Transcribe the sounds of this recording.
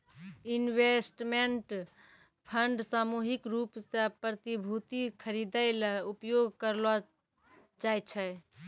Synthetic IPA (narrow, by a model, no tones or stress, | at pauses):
inwesʈmeɳʈ | pʰəɳɖsamuɦikɾupsepɾət̪ibʱut̪ikʰəɾid̪əɪleupjoɡʱkəɾlɔ | d͡ʒajt͡ʃʰɛ